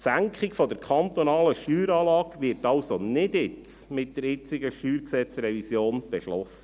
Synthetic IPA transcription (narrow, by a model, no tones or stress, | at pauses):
sæŋkχɪkfɔd̪əɾkʰχɑnt̪onɑːləʃtyːɾɑːlɑːkʋɪːɾrtɑwsonɪdɪt | mɪt̚d̥əɾɪt͡sɪɡəʃtyːɾksɛt͡sɾɛvisjoːnb̥ɛʃlɔsːə